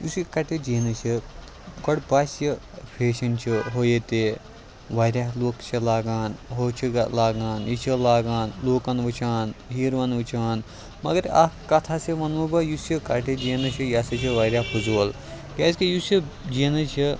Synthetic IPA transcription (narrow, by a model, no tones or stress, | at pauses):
juskɐʈʰid͡ʒiːnɨt͡ʃʰi | kɔɽbaːsi | pʰeːʃɐnt͡ʃʰiɦojet̪e | ʋaːɾʲjaːɦloːkt͡ʃʰilaːɡaːnɦoːt͡ʃʰilaːɡaːnjit͡ʃʰilaːɡaːnloːkɐnʋɨt͡ʃʰaːnɦiːɾʋɐnʋut͡ʃʰaːn | mɐ̰ɡɐɾa̰kɐt̪ʰaseʋɐnʋubɐjusikɐʈid͡ʒiːnɨt͡ʃʰijasɐt͡ʃʰiʋaːɾʲjaːpʰuzoːl | kʲaːskijusi | d͡ʒiːnɨt͡ʃʰi